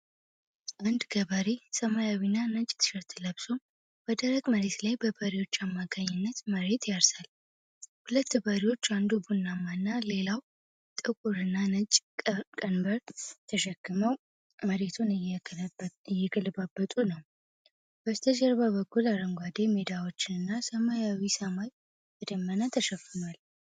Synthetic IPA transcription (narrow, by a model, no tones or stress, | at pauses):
ʔand̪ɡəβaɾisəmajawinːanət͡ʃʼt̪ʰɨ̥ʃəɾt̪ʰɨləbso | b̥əd̪əɾəɡməɾe̞t̪lajbəbəɾiwo̞t͡ʃːamːakʰaɲːɪnːət̪məɾe̞t̪ʰjaɾsal | hulət̪ːbəɾiwo̞t͡ʃːand̪ubunːamːanːale̞law | t̪ʼɨkʼuɾɨnːanət͡ʃʼkʼənbəɾt̪ʰəʃɛkːɨməw | məɾe̞t̪ʰunj | jːɛɡəlbabːət̪ʼunəw | b̥əst̪ʰəd͡ʒəɾbaβəkːulaɾəŋɡʷad̪e̞med̪awo̞t͡ʃːɪnɨnːasəmajawisəmaj | bəd̪əmːənat̪ʰːəʃəkːɨnwal